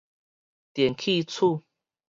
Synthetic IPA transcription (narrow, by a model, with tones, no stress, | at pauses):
t̪jɛ˨nkʰi˥˧t͡sʰu˥˨